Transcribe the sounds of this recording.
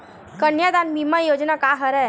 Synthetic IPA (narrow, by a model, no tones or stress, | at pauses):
kənjad̪anmimãjoːd͡ʒnakaɦəɾɛ